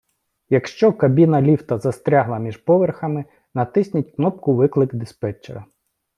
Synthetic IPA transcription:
jɐkʃt͡ʃɔkɐbʲinɐlʲiwt̪ɐzɐst̪ɾʲaɦlˠɐmʲiʒpɔʋerxɐmɪ | nɐt̪ɪsʲnʲɐtʲknɔp̚kʊʋɪklˠɪɡd̪ɪspɛt͡ʃḛɾɐ

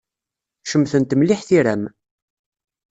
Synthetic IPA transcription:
ʃəmθənt̪mliħθiɾæm

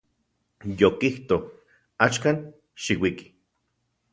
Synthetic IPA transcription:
jokiht̪o | at͡ʃkan | ʃiwiki̥

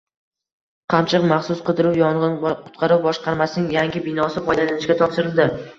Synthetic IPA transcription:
qʰɑmt͡ʃʰɨqmaχsʊsqɨd̪ɪɾʊwjɒɴʁɨnqʰʊ̥t̪qʰɑɾʊwbɒʃqɑɾmasɪnɪŋjaŋɡʲɪbɪnɒsɪfɒjd̪alanɪʃkʲat̪ʰɒpʃɪɾɪld̪ɪ

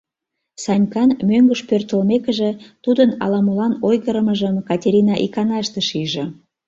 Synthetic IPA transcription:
sɑnʲkɑnmøŋɡəʃpørt̪ə̆lmekə̆ʒĕt̪ud̪ənɑ̰lɑmulɑnojɣəɾəməʒəmkɑtʲeɾʲinɑʔikɑnɑʃt̪əʃiʒĕ

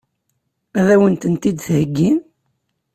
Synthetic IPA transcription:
æðæwənt̪ənt̪id̪θhəɡːin

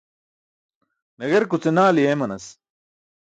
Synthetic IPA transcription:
nɐɡɐɾkut͡senaːlijemɐnɐs

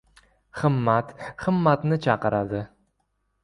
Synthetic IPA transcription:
χɨmːat̪χɨmːat̪nɪt͡ʃʰɑqɨɾʔad̪ɪ

